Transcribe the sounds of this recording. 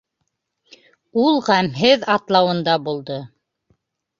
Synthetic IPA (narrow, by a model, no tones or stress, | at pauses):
ulˠʁæmɦɘðɑt̪lˠɑwɤ̆nd̪ɑbulˠd̪o